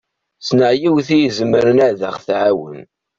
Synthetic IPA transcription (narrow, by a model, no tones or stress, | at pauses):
snəʕjiwθijəzməɾənæðəχθʕawə̰n